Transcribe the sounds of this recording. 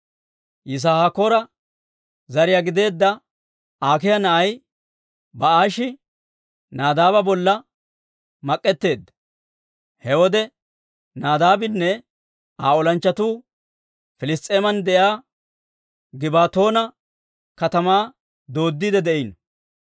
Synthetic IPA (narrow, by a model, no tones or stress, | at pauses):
jɪs̬aːhakoːɾɐ | zɐɾɪjaɡɪd̪e̞ːd̪ːɐ | aːkɪjɐnɐʔɐj | bɐaːʃɪ | naːd̪aːbɐbɔlːɐ | mɐkʼːɛt̪ːe̞ːd̪ːɐ̥ | hɛwɔd̪ɛ | naːd̪aːbɪnːɛ | aːɔlɐnt͡ʃːɐt̪uː | fɪlɪst̪ʼːe̞ːmɐnd̪ɛjaː | ɡɪbaːt̪o̞ːnɐ | kɐt̪ɐmaː | d̪o̞ːd̪ːid̪ɛd̪ɛʔɪnɔ